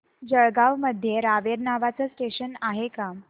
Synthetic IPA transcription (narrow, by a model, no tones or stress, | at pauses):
d͡ʑəɭɡaʋməd̪ʱːjeɾaʋeɾnaʋat͡səsʈeɕənaɦeka